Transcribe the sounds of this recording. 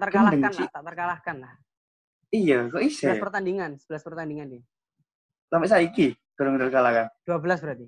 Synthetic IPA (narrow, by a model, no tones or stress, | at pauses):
t̪ərkalaəŋanlt̪aʔt̪ərkalahkanlah | ijakɔʔisɛlaspərt̪andiŋansəb̥əlaspərt̪andiŋandi | lamɛʔs̬aiki | ɡ̥aɾʊŋdalkalakad̥uabəlas̬bəɾat̪i